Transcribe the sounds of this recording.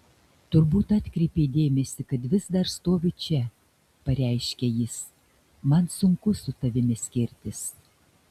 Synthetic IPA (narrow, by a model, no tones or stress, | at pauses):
t̪ʊɾbuːt̪ɑːt̪ʲkɾʲɛɪpʲed̪ʲeːmʲɛsʲɪkɐt̪ʋʲɪzd̪ɐɾst̪oːʋʲɪt͡ʃʲɛ | pɐɾʲɛˑɪʃʲkʲɛjɪs | mɐnsʊŋkʊsʊt̪ɐʋʲɪmʲɪsʲkʲɪɾʲt̪ʲɪs